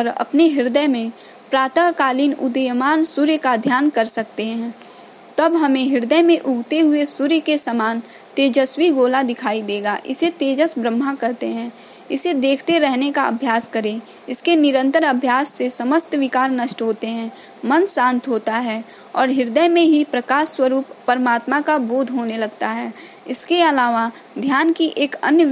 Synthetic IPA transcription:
ɾɐ̰pneɦɪɾd̪əjmẽ | pɾaːt̪əkaːliːnʊ̰d̪əjəmaːnsʊɾjkad̪ʱjaːnkəɾsɐk̚t̪eɦɛ̃ | t̪ɐbɦɐmẽɦɪɾd̪əjmẽʔʊɡʱt̪eɦʊesʊɾjkesəmaːn | t̪eːd͡ʒəswiɡoːlad̪ɪkʰaːid̪eːɡaʔɪ̰set̪eːd͡ʒəsbɾə̃mːakɐɾt̪eɦɛ̃ː | ɪsed̪eːkʰt̪eɾɛɦnekaɐ̰bʱjaːskəɾẽ | ɪskenɪɾə̃nt̪əɾəbʱjaːsːesəməst̪ʋɪkaːɾnəʃʈɦoːt̪eɦɛ̃ | mənsãːnt̪ɦoːt̪aɦɛː | ɔːɾɦɪɾd̪əjmẽɦipɾəkaːʃwəɾuːpːəɾmaːt̪makabuːd̪ʱɦoːnelɐɡt̪aɦɛː | ɪskeɐlaːʋa | d̪ʱjaːnkiʔeːkə̰njə

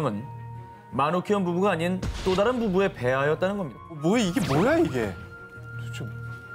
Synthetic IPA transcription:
mɯn | manokʰiʌnbubuɡaːɲint͈odaɾɯnbubue̞pe̞ɦajʌt͈̚anɯnɡʌmɲid̥amʌaiɡe̞mwojaiɡe̞ | kot͡ɕʰo

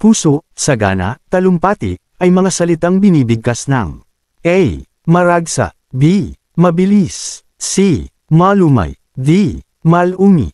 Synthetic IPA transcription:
puːsoʔsɐɡa̰ːnɐ̰t̪ɐlʊmpaːt̪ɪ̰ | ʔɐjmɐŋasɐlɪt̪aŋbɪniːbɪɡ̚kɐsnɐ̰ŋ | ʔɛj | mɐɾaɡsa̰ | bi | mɐbɪlis | si | maluma̰j | vi | mɐluŋḭ

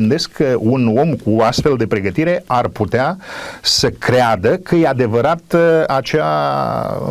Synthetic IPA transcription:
ɨnd̪e̞skʰːəuno̞mkuoast̪fe̞ld̪e̞pɾe̞ɡət̪iɾe̞arput̪easəkɾead̪əkʰəjead̪e̞vəɾat̪at͡ʃea

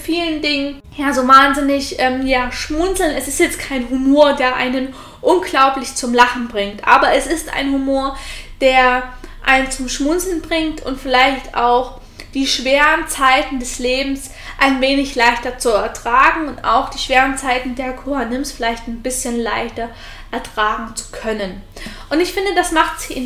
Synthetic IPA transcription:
fiːləndɪŋən | jaːzoːvaːnzɪnɪçʔɛːmjaːʃmʊnt͡sl̩nɛsɪstjɛt͡stkʰaɪnɦumoːɐdeːɐʔa̰ɪnən | ʔʊnɡlaʊplɪçt͡sʊmlaχn̩bʁɪŋtʔa̰ːbɐʔɛsɪsta̰ɪnhumoːɐd̥eːɐʔaɪnt͡sʊmʃmʊnt͡sl̩nbʁɪŋtʊ̰ntfɪlaɪçtʔa̰ʊx | d̥iːʃv̥eːʁənt͡saɪtn̩dɛsleːbm̩s | ʔaɪnveːnɪçlaɪçtɐt͡suɛɐtʁ̥aːɡŋ̩ʊnta̰ʊxd̥iːʃv̥eːʁənt͡saɪtn̩deːɐkʰuhanɪmsfɪlaɪçtɪnbɪsçənlaɪçtɐ | ʔɛɐtʁ̥aːɡŋ̩t͡su̥kʰœnən | ʔʊntɪçfɪndədasmaχtz̥ɪçɪn

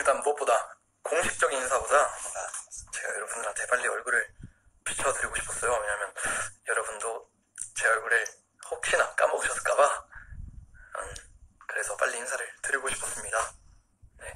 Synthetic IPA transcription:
iɭt͈anbʌp͈oda | koŋɕʰi̥k̚t͡ɕ͈ʌɡininsʰabodaat͡ɕe̞ɡa̰jʌɾʌbundɯɾat͡ɕe̞baʎːiʌɭɡuɾɯɭ | pʰit͡ɕʰʌtɯɾiɡoɕʰi̥pʰʌs͈ʌjowe̞ɲamjʌnjʌɾʌbundo | t͡ɕe̞ʌɭɡuɾɯɭ | hok̚ɕ͈inak͈a̰mʌkɕʰʌs͈ɯk͈aba | a̰nkɯɾe̞sʰʌp͈a̰ʎːiinsʰaɾɯɭtɯɾiɡoɕʰi̥pʰʌs͈ɯmɲida | ne̞

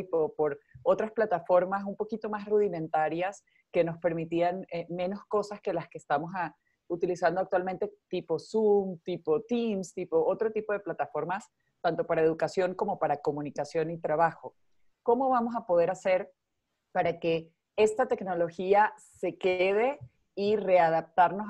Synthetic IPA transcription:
ipopo̞ɾot̪ɾasplat̪afo̞ɾmas̬umpo̞kit̪o̞masruðimẽ̞nt̪aɾjas | ke̞no̞spe̞ɾmit̪ianemẽ̞no̞sko̞saske̞laske̞ːst̪amo̞sa | ut̪ilisand̪oak̚t̪walment̪e̞t̪ipo̞sumt̪ipo̞t̪imst̪ipo̞ʔo̞t̪ɾo̞t̪ipo̞ð̞e̞plat̪afo̞ɾmas | t̪ant̪o̞paɾaeð̞ukasjo̞ŋko̞mo̞paɾako̞mũnikasjo̞nit̪ɾaβaxo̞ | ko̞mo̞βamo̞s̬apo̞ð̞e̞ɾase̞ɾ | paɾake̞ | e̞st̪at̪e̞kno̞lo̞xiase̞keð̞e̞ | ire̞aðap̚t̪aɾno

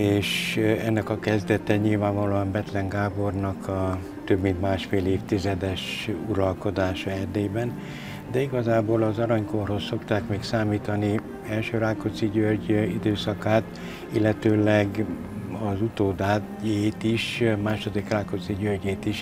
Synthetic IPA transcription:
eːʃɛnːɛkɒkɛzd̪ɛt̪ɛɲilvaːɱvɒloːɒmbɛt̪lɛŋɡaːbo̞rnɒkʰɒ | t̪ø̞bmint̪maːʃfeːleːft̪izɛd̪ɛʃuɾɒlko̞d̪aːʃɒɛrd̪eːbɛn | d̪ɛiɡɒzaːboːlɒzɒɾɒɲkorho̞sːo̞kt̪aːkmeːksaːmiːt̪ɒni | ɛlʃøːɾaːkot̪siɟørɟid̪øːsɒkaːt̪ | ilːɛt̪øːlɛɡ | ɒzut̪oːd̪aː | eːt̪iʃmaːʃo̞d̪ikraːko̞t̪siɟørɟeːt̪iʃ

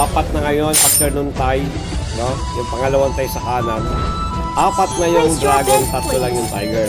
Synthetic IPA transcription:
aːpɐt̪̚nɐŋɐjo̞npɐk̚sɛɾnʊnt̪aj | no | jʊŋpɐŋɐlɐwant̪ajsɐkaːnɐn | ʔaːpɐt̪̚nɐjʊŋd̪ɾaːɡont̪ɐt̪lolɐŋjʊŋt̪a̰jɡɛ

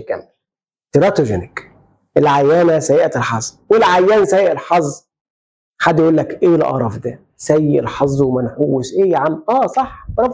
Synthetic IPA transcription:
kæ̰m | t̪ɪɾɑt̪oʒenæk | ʔelʕajːæːnæsæjeʔæt̪elħɑzˤ | welʕajːæːnsæjːeʔelħɑzˤː | ħad̪ːjʔuːlːækʔeːlʔɑ̰ɾˤɑfd̪æ | sæjːeʔelħɑzˤːwmænħuːwːɪsʔeːʕamʔæːsˤɑħɾˤɑf

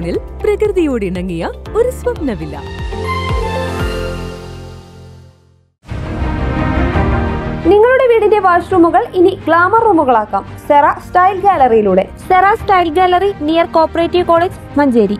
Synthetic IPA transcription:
ɳilprɐkrɨðijoːɽiɳɐŋːijɐoɾusʋɐbnɐʋilːɐ̰ | niŋːɐɭuɽe̞ʋiːɽinde̞ʋaːɕrumuɣɐɭiniɡɭaːmɐruːmuɣɐɭaːkːa̰ːmserasʈɐjlɡaːlɐrijiluːɽe̞̰ | serasʈɐjlɡæːlɐrinijɐrko̞ːrpːɐreːtːiko̞ːɭeːd͡ʑ | mɐɲd͡ʑeːɾi

